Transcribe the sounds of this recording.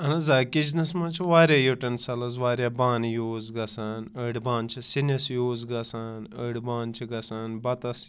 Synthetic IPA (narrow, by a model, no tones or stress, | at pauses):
ɐnɐzaːkid͡ʒnɐsmɐ̃ːt͡ʃʰiʋaːɾʲjaːjoʈɐnsɐlɐzʋaːɾʲjaːbaːnjoːzɡɐsaːnəːɽbaːnt͡ʃʰisinɐsjoːzɡɐsaːnəɽbaːnt͡ʃʰiɡɐsaːnbɐt̪ɐs